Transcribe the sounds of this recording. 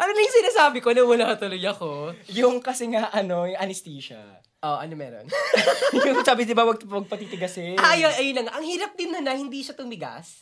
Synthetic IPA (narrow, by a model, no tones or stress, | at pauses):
ʔɐnonɐjŋsɪnasaːbɪkonɐmʊlaɐt̪ʊlojɐkojʊŋkɐsɛŋɐʔɐno̞jʊŋʔɐnɪst̪iːʃɐ̰ | ʔoʔɐnomɛ̰ːɾo̰njʊŋsaːbɪd̪ɪbawɐɡ̪̚wɐɡ̚pɐt̪iːt̪ɪɡɐsɛaʔɐjoɐjʊnːɐŋaʔɐŋhiːɾɐp̚d̪ɪnːɐnɐhɪnd̪iːʃɐt̪ʊmɪɡa̰s